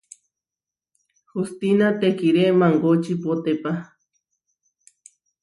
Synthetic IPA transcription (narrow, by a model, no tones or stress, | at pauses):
xust̪inat̪ekiɾemaŋɡot͡ʃipot̪epa